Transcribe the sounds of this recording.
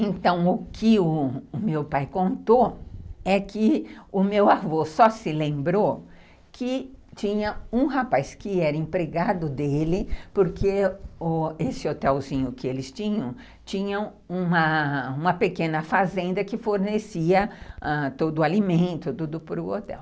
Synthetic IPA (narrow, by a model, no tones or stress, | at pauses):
ẽnt̪ɐ̃w̃ʊkʰɪʊːmewpajkõnt̪oɛkɪʊmewavosɔsɪlẽmbɾo | kʰɪt͡ʃĩɲɐũhapajskɪɛɾɐẽpɾeɡad̪ʊd̪elɪpoɾkʰeʊesɪot̪ɛwzĩɲʊkɪelɪst͡ʃĩɲɐ̃w̃ | t͡ʃĩɲɐ̃w̃ | ũmɐũmɐpekẽnɐfazẽnd̪ɐkɪfoɾnesiɐãt̪od̪ʊalimẽnt̪ʊd̪ud̪ʊpɾʊo̰t̪ɛ̰w